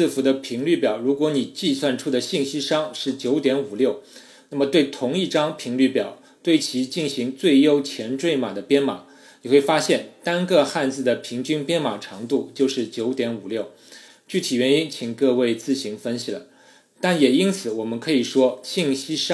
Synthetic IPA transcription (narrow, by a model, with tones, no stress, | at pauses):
fu˧˥d̪ə˧pʰi˧˥ŋly˥˩pjɑ˨˩˦ʊɻu˧˥kwɔ˧˥ni˨˩t͡ɕi˥˧swa˥˩nʈ͡ʂʰu˥d̪ə˨ɕi˥˧ŋɕi˥ʂɑ˥ŋʂɻ̩˥˩t͡ɕjo˧˥ʊt̪jɛ˧˥nu˨˩ljo˥˩ʊ | na˥˩mə˩t̪we˥˩ɪt̪ʰʊ˧˥ŋi˥˧ʈ͡ʂɑ˥ŋpʰi˧˥ŋly˥˩pjɑ˨˩˦ʊ | t̪we˥˩ɪt͡ɕʰi˧˥t͡ɕi˥˩nɕi˧˥ŋt͡swe˥˩ɪjo˥ʊt͡ɕʰjɛ˧˥nʈ͡ʂwe˥˩ɪma˨˩d̪ə˦pjɛ˥nma˨˩˦ | ni˨˩xwe˥˩ɪfa˥ɕjɛ˥˩nt̪a˥nkɤ˥˧xa˥˧nt͡sɹ̩˥˩d̪ə˩pʰi˧˥ŋt͡ɕy˥npjɛ˥nma˨˩ʈ͡ʂʰɑ˧˥ŋt̪u˥˧t͡ɕjo˥˧ʊʂɻ̩˥˩t͡ɕjo˧˥ʊt̪jɛ˧˥nu˨˩ljo˥˩ʊ | t͡ɕy˥˩t̪ʰi˨˩ɥɛ˧˥ni˥nt͡ɕʰi˨˩ŋkɤ˥˧we˥˧ɪt͡sɹ̩˥˩ɕi˧˥ŋfə˥nɕi˨lə̰˩˦ | t̪a˥˩njɛ˨˩i˥nt͡sʰɹ̩˨˧˩wɔ˨˩mə˦nkʰɤ˧˥i˨˩ʂwɔ˥ɕi˥˩ŋɕi˥ʂ